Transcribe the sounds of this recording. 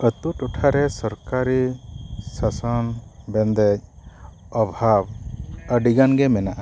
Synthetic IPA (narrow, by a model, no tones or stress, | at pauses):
ət̪uʈuʈʰaɾɛsɔɾkaɾi | sasɔnbɛnd̪ɛc̚ | ɔbʱabəɖiɡanɡɛmɛnaʔa